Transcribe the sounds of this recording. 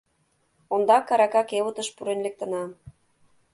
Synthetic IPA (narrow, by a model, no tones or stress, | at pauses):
ond̪ɑkɑɾɑkɑkeβə̆t̪ə̆ʃpuɾenlek̚t̪ə̆nɑ